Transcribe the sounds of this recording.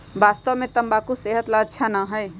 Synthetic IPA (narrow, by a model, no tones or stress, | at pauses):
bast̪əʋmẽt̪əmbakoseɦət̪laətːʃʰanaɦəj